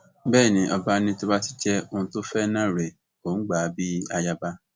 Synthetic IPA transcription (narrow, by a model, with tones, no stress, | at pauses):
bɛː˦˨nĩ˨˦ʔɔ˨ba˦nĩ˧˦to˦ba˦ti̥˦d͡ʒɛ˦o˧˨ũ˧to˦fɛ˦nã˦˨ɾe˨ | õ˨˦ɡ͡ba˨bi˦a˧ja˦ba˧˦